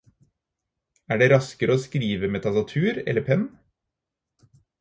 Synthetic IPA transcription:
æːɖeːɾɑskəɾoːskɾiːʋəmeːt̪ʰɑsɑt̪ʰʉːɾɛ̰lːəpʰɛn

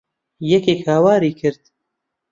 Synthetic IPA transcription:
jɛkeːkhaːwaːɾiːkʰɨɾd̪̥̚

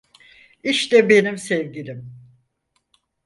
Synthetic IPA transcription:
iʃt̪ɛbe̞nimsevɟilʲim

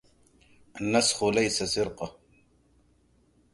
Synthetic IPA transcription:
anːasxʊlajsasɪɾqɑ

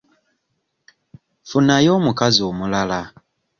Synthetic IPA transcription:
funajoːmukaziomulala

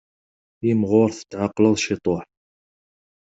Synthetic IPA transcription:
jəmʁʊɾθə̥t̪ːʕɑqːlɑðˤʃit̪ˤoħ

